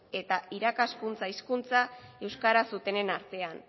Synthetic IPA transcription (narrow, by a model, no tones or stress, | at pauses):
e̞t̪aiɾakaskunt͡saiskunt͡sae̞wskaɾasut̪e̞ne̞naɾt̪e̞an